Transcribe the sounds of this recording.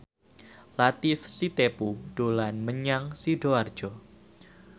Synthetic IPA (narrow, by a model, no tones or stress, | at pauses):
lat̪ɪfsit̪epuɖ̥olanməɲaŋsiɖoard̥d͡ʒ̥ɔ